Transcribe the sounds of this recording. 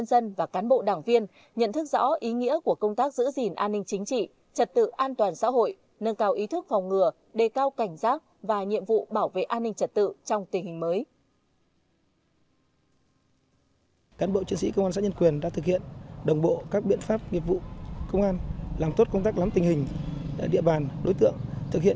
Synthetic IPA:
ə˧nzə˧nvaː˨˩kaː˨˦nɓo̰˧˨ɗaː˨˩ŋvi˧ən | ɲə̰˧˨nt̪ʰɨ˦˥k̚zɔ̰˧˥ʔi˨˦ŋḭ˧˥əku˧˩əkə˧wŋ͡mt̪aː˦˥k̚zɨ̰˧˥zi˨˩nʔaː˧nːï˧ŋ̟t͡ɕï˨˦ŋ̟t͡ɕḭ˧˨ | t͡ɕə˨˩t̚t̪ɨ̰˧˨ʔaː˧nt̪waː˨˩nsa̰ː˧˥ɦo̰˧˨j | nə˧nkaː˧wʔi˨˦t̪ʰɨ˦˥k̚fɔ˨˩wŋ͡mŋɨ˨˩ə | ɗe˨˩kaː˧wka˧˩jŋ̟zaː˦˥k̚vaː˨˩ɲḭ˧˨əmvṵ˧˨ɓaː˧˩wvḛ˧˨ʔaː˧nːï˧ŋ̟t͡ɕə˨˩t̚t̪ɨ̰˧˨t͡ɕɔ˧wŋ͡mt̪ï˨˩hï˨˩ŋ̟məː˨˦j | kaː˨˦nɓo̰˧˨t͡ɕi˨˧ənsḭ˧˥kə˧wŋ͡maː˧sa̰ː˧˥ɲə˧nkwi˨˩ənɗa̰˧˥t̪ɨ˨k̚hḭ˧˨ənɗə˨˩wŋ͡mɓo̰˧˨kaː˦˥k̚ɓḭ˧˨ənfaː˦˥p̚ŋi˨˩ət̚vṵ˧˨kə˧wŋ͡mʔaː˧nlaː˨˩mt̪o˦˥t̚kə˧wŋ͡mt̪aː˦˥k̚la˨˦mt̪ï˨˩ŋhï˨˩ŋ̟ɗa̰ː˧˨ɗḭ˧˨əɓaː˨˩nɗo˨˦jt̪ɨ̰˧˨əŋt̪ʰɨ˨˩k̚hḭ˧˨

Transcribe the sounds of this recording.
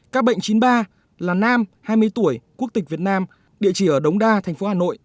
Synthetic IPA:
kaː˦˥k̚ɓə̰˧˨ŋt͡ɕi˨˦nɓaː˧ | laː˨˩naː˧mhaː˧jmɨ˧əjt̪u˧˩əjku˦˥ək̚t̪ï̟˨˩vi˨˩ət̚naː˧m | ɗḭ˧˨ət͡ɕi˧˩ʔəː˧˩ɗə˨˦wŋ͡mɗaː˧t̪ʰɛ˨˩ŋ̟fo˨˦haː˨˩no̰˧˨jʔ

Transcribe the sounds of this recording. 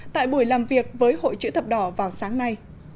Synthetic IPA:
t̪a̰ː˧˨jɓu˧˩əjlaː˨˩mvi˨˩ək̚vəː˨˦jho̰˧˨jt͡ɕɨ̰˧˥t̪ʰə˨˩p̚ɗɔ˧˩vaː˨˩wsaː˨˦ŋna˧j

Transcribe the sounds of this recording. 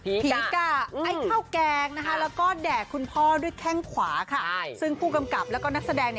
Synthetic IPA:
pːpʰiː˩˦˥ka˧˩a˦˥˩jkʰa˥˩wkɛː˧ŋna˦˥kʰa˦˥lɛː˦˥wkɔː˥˩dɛː˨˩kʰːu˧npʰɔː˥˩du˥˩əjkʰɛ˥˩ŋkʰwaː˩˦kʰa˥˩sɯ˥˩ŋpʰuː˥˩ka˧mka˨˩p̚lɛ˦˥wkɔː˥˩na˦˥k̚sa˧dɛː˧ŋni˥˩

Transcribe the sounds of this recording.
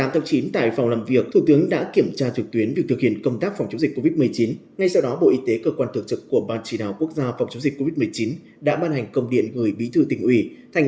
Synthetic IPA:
t̪aː˨˦t̪ʰaː˨˦ŋ͡mt͡ɕi˨˦nt̪a̰ː˧˨jfwŋ͡mlaː˨˩mvi˨˩ək̚t̪ʰu˧˩t̪ɨ˨˦əŋɗa̰ː˧˥ki˧˩əmt͡ɕaː˧t͡ɕɨ˨˩k̚t̪wi˨˦ənvi˨˩ək̚t̪ɨ˨˩k̚hḭ˧˨ənkə˧wŋ͡mt̪aː˦˥k̚fɔ˨˩wŋ͡mt͡ɕə˨˦ŋ͡mzi˨˩k̟ko˧vi˦˥t̚mɨ˨˩əjt͡ɕi˨˦n | ŋa˧jsa˧wɗɔ˨˦ɓo̰˧˨ʔi˧t̪e˨˦kəː˧kwaː˧nt̪ɨ˨˩ək̚t͡ɕɨ˨˩kːu˧˩əɓaː˧nt͡ɕi˧˩naː˨˩wku˦˥ək̚zaː˧fwŋ͡mt͡ɕə˨˦ŋ͡mzi˨˩k̟kːo˧vi˦˥t̚mɨ˨˩əjt͡ɕi˨˦n | ɗa̰ː˧˥ɓaː˧nha˨˩jŋ̟kə˧wŋ͡mɗḭ˧˨ənɣəː˨˩jɓḭ˧˥t̪ʰɨ˧t̪ï˨˩ŋ̟ʔi˧˩t̪ʰa˧˩jŋ

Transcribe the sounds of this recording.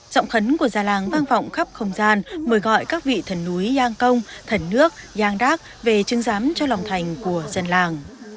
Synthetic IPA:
zɔ̰˧˨wŋ͡mxə˨˦nku˧˩əzaː˨˩laː˨˩ŋvaː˧nvɔ̰˧˨wŋ͡mxə˦˥p̚xə˧wŋ͡mzaː˧nməː˨˩˦jɣɔ̰˧˨jkaː˦˥k̚vḭ˧˨t̪ʰə˨˩nːu˨˦jzaː˧ŋkə˧wŋ͡mt̪ʰə˨˩nːɨ˦˥ək̚zaː˧ŋɗaː˦˥k̚ve˨˩t͡ɕɨ˨˦ŋzaː˨˦mt͡ɕɔ˧la˨˩wŋ͡mt̪ʰa˨˩jŋ̟ku˧˩əzə˨˩nlaː˨˩ŋ

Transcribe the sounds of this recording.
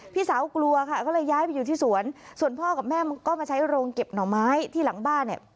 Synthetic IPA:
pʰiː˥˩saː˩˦wklu˧ɐkʰa˥˩kɔː˥˩lɤː˧jːaː˦˥jpa˧jːuː˨˩t̪iː˥˩su˨˩˦ənsu˨˩ənpʰɔː˥˩kaː˨˩p̚mɛː˥˩m˧kɔː˥˩maː˧t͡ɕʰa˦˥jɾoː˧ŋke˨˩p̚nɔː˩˦ŋmaː˦˥jt̪ʰiː˥˩la˨˩˦ŋbaː˥˩nːi˨˩ə

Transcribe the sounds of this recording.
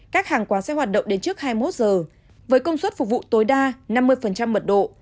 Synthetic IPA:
kaː˦˥k̚haː˨˩ŋkwaː˨˦sɛ̰˧˥ɦwaː˨˩t̚ɗə̰˧˨wŋ͡mɗe˨˦nt͡ɕɨ˦˥ək̚haː˧jmo˦˥t̚zəː˨˩ | vəː˨˦jkə˧wŋ͡mswə˦˥t̚fʊ˨˩k̚vṵ˧˨t̪o˨˦jɗaː˧na˧mːɨ˧əjfə˨˩nt͡ɕa˧mːə˨˩t̚ɗo̰˧˨

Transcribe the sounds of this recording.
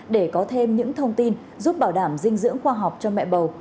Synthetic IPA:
ɗe˧˩kɔ˨˦t̪ʰe˧mɲɨ̰˧˥ŋt̪ʰə˧wŋ͡mt̪i˧n | zu˦˥p̚ɓaː˧˩wɗaː˧˩mzï˧ŋ̟zɨ̰˧˥əŋxwaː˧ɦa˨˩wk͡p̚t͡ɕɔ˧ŋ͡mmɛ̰˧˨ɓə˨˩w

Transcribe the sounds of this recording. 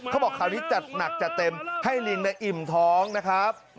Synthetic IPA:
kʰa˥˩bɔː˨˩kʰːaː˨˩wniː˦˥t͡ɕa˨˩t̪̚na˨˩k̚t͡ɕa˨˩t̪e˧mha˥˩jli˧ŋna˧jʔi˨˩mt̪ʰɔː˦˥ŋna˦˥kʰɾa˦˥p̚

